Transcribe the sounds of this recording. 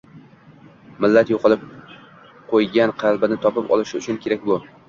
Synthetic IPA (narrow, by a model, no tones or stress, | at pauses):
mɪlːat̪joqɨlˠɪp̚ | qʰojɡʲanqʰɑlˠbɪnɪt̪ʰɒpɪpɒ̰lˠɪʃɪʊt͡ʃʰʊnkʲʰe̞ɾak̚ʲbʊ